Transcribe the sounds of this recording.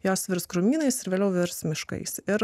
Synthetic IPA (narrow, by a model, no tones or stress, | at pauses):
joːsʋʲɪɾskɾʊmʲiːnɐɪsɪɾʋʲeːlʲɛʊʋʲɪɾsmʲɪʃkɐ̰ɪsɪɾ